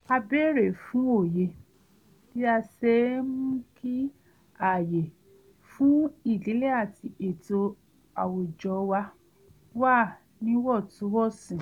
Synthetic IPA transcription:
a˧be˦˨ɾe˨fũ˨˦o˦˨je˧ | ti˦a˧sɛ˧˦mũ˦ki˦ | a˨je˨ | fũ˨˦i˦˨li˨˦le˦a˦˨ti˧ʔe˨to˧ | a˨wo˨d͡ʒɔ˨˦wa˧ | waː˦˨ | nĩ˦wɔ˦˨tũ˨˦wɔ˦˨sĩ˨

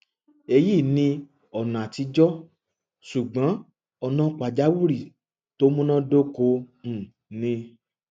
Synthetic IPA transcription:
e˧ji˦˨nĩ˧ | ɔ˨nã˨a˨ti˧˦d͡ʒɔ˦ | su˨ɡ͡bã˨˦ | ɔ˧nã˦k͡pa˨d͡ʒa˨˦wu˦ɾi˦˨ | to˦mũ˦nã˦do˦ko˧ñ̩˨ | nĩ˧

